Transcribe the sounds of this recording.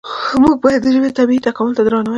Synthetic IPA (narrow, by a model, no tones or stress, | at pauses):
muɡ̚bɑjat̪d̪əʒɪbet̪abiit̪akɑmʊlt̪ad̪ɾɑnawa